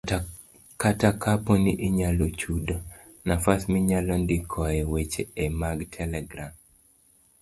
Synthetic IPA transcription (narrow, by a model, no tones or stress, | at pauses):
katakʰaponiʔeɲalot͡ʃudo | nafasmiɲalɔndikʰɔɛwet͡ʃeːmaɡtʰɛlɛɡɾam